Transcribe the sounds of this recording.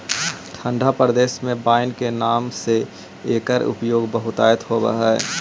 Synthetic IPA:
t̪ʰə̃ɳɖʱapɾəd̪eːsmẽbaːɪnkenaːmse | eːkəɾʊ̰pjoːɡbəɦʊt̪a̰ːjət̪ɦobə̰ɦɛ

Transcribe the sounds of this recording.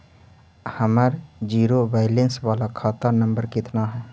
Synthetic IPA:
həməɾd͡ʒiːɾoʋaːɪlensʋaːlakʰaːt̪əɾnə̃mbəɾkɪt̪naɦɛː

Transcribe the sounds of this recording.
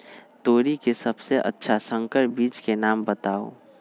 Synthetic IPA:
t̪oːɾikesəbseʔə̰tːʃʰasə̃ŋkəɾbiːt͡ʃkenaːmbət̪aːo̰

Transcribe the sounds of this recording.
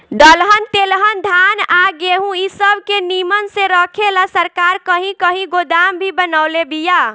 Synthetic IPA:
d̪əlɦənt̪elɦənd̪ʱanaɡeɦũisəbʱkenimənsẽɾəkʰelasəɾkaɾkəɦĩkəɦĩɡod̪ambʱibənaʊlebija

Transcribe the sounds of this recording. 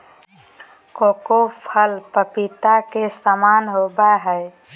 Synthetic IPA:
kokopʰəlpəpit̪akesəmanɦobaɦəj

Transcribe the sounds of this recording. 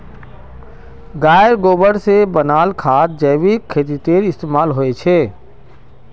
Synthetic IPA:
ɡaːjəɾɡoːbəɾsebənaːlkʰaːt̪̚d͡ʒəɪʋikʰːeːt̪̬it̪eːɾɪst̪eːmaːlɦoet͡ʃʰeː

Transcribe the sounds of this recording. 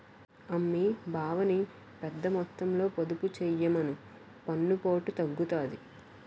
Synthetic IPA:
ɐmːibʱaːʋɐni | pɛd̪ːɐmɔt̪ːɐmlo̞ːpod̪uput͡ʃɛjɐmɐnu | pɐnːupo̞ːʈut̪ɐɡːut̪aːd̪i

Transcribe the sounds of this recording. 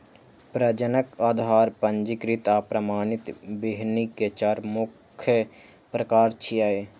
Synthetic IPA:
pɾəd͡ʒənəkaːd̪ʱaːɾpənd͡ʒɪkɾɪt̪aːpɾɐmaːnɪt̪beɦniket͡ʃaːɾmʊkʰːjə | pɾɐkaːɾt͡ʃʰiaeː

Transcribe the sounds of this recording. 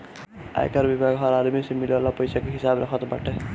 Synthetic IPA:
a̰jkʌɾbibʱaɡɦʌɾad̪misimilalapʌjsakeɦisabɾʌkʰʌt̪ba̰ʈʰe

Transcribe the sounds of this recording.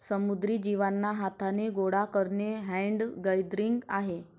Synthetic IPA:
səmud̪ɾiːd͡ʑiʋanːaɦat̪ʰaneɡoɽakəɾɳeɦɛ̃ɳɖɡəjd̪ɾiŋɡaɦe

